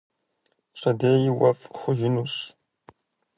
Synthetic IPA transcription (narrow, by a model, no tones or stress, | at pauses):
ɕʼɐdeːjɪwɐfχʷʊʒɪnuːɕ